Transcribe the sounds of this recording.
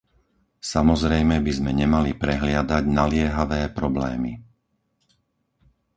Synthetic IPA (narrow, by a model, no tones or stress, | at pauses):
samɔzɾɛjmɛbizmɛɲɛmalipɾɛɦlɪad̪aɟnalɪɛɦaʋɛːpɾɔblɛ̰ːmḭ